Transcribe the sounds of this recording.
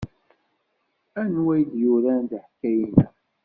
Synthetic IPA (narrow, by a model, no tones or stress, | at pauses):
ænwæjd̪juɾænd̪ħkːæjinæ